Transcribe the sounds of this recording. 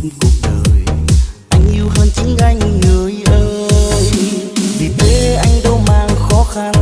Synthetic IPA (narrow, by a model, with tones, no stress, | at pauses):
ku˨˩k͡p̚ɗəː˨˩jʔa˧jŋ̟ɲi˧wɦəː˧nt͡ɕɨ˧˦ŋɣa˧jŋ̟ŋəː˨˦jʔəː˧˦˧jvi˨˩ɓe˨˩˦ʔa˧jŋ̟ɗə˧wmaː˧ŋxɔ˨˦xa˧n